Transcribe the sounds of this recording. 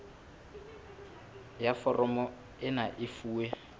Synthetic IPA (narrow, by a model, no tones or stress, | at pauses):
jafɔrʔɔmɔ | ɪnaʔɪfuːwɛ